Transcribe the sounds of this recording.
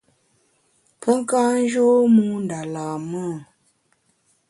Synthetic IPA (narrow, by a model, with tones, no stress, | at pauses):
pʰə˦ŋ˦ka˦n˦d͡ʒo˦mu˦n˨da˨laː˨mə˦˨